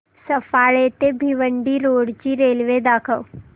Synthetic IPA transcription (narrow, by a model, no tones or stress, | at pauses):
səfaɭet̪ebʱiʋəɳɖiːɾoɽt͡ɕiːɾelʋed̪akʰəw